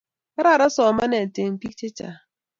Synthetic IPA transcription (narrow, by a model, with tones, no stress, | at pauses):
ka˦ɾa˦˨ɾa˦sɔ˨ma˦ne˨n̩˨te˨m̩˨pi˦t͡ʃe˦t͡ʃa̰˨